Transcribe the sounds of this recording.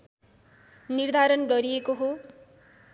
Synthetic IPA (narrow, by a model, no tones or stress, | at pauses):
nird̪ʱaɾʌnɖʌɾijekoɦo